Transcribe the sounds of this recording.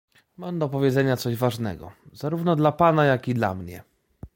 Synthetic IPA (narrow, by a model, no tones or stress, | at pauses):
mamd̪ɔpɔvʲjɛd̪zɛɲat̪sɔʑvaʐnɛ̰ɡɔ̰z̥aɾuvnɔd̪lapanajakʲid̪la̰mɲɛ̰